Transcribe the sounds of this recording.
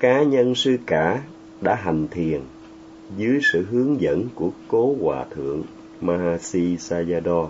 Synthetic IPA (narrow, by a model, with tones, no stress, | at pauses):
kaː˨˦ɲə˧nsɨ˧kaː˧˩ | ɗa̰ː˧˥ɦa˨˩ŋ̟t̪ʰi˨˩ən | zɨ˨˦əjsɨ̰˧˨ɦɨ˨˦əŋzə̰˧˥nku˧˩əko˨˦kwaː˨˩t̪ʰɨ̰˧˩əŋ | maː˧haː˧si˧saː˧zaː˧ɗɔ˧